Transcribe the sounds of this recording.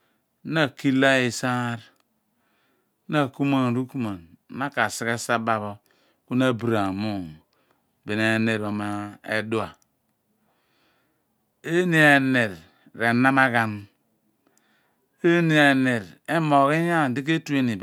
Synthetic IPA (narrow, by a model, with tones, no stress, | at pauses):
na˦˨ki˦la˦i˨sa˦ɾ | na˦˨ku˦ma˦n˨ɾu˦ku˦ma˨n˦a˦ka˨si˦ɣe˦sa˦ba˦βo˦ | ku˦na˦˨bi˨ɾa˨mu˦˨ | be˨ne˨ne˨ɾo˨ma˦ḛ˦du˦a˨ | e˦ni˦a˨ne˨ɾ | ɾe˨na˦ma˦ɣa˦n | e˦ni˨a˨ne˨ɾe˦mo˨ɣi˦ja˦˨di˦k̬e˦tu˦e˦ni˨b